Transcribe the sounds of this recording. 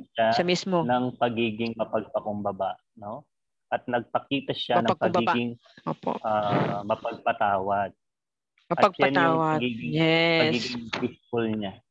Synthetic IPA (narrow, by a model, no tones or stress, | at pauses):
ʃaʃɐmismonɐŋpɐɡiːɡɪŋmɐpɐɡ̚pɐkʊmbɐbaʔ | no̞ | ʔɐt̪̚nɐɡ̚pɐkiːt̪ɐʃamnɐɐpɐɡbɐiːbaɡɪŋ | ʔoːpo̰ʔamɐpɐɡ̚pɐt̪aːwɐd̪̚ | mɐɐpɐɡ̚sɐɛnjaʊwɐɐɡiːɡɪŋjɛɐiːɡɪŋpɪskʊlɲa